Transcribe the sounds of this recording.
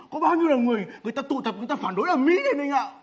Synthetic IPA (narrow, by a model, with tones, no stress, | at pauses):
kɔ˨˦ɓaː˧wɲi˧əwlə˨˩nŋɨ˨˩əjŋɨ˨˩əjt̪aː˧t̪ɨ̰˧˨t̪ʰə˨˩p̚ŋ˨˩t̪aː˧faː˧˩nɗo˨˦jʔəː˧˩mḭ˧˥ɗe˨˦nɗə˧ŋʔa̰ː˧˨